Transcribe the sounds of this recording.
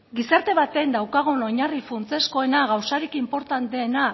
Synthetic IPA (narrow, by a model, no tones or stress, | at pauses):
ɡisaɾt̪e̞β̞at̪e̞nd̪awkaɣ̞ono̞ɲarifunt͡se̞sko̞e̞naɣawsaɾikimpo̞ɾt̪ant̪eːna